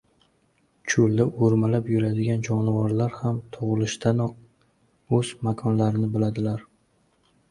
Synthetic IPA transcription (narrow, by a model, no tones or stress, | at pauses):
t͡ʃʰʊld̪aʔoɾmalapjʊɾad̪ɪɡʲand͡ʒɒnɪvɒɾlaɾhamt̪ʰʊʁlˠɪʃt̪ʰanɒ | ɵzmakʰɒnlaɾɪnɪbɪlad̪ɪlaɾ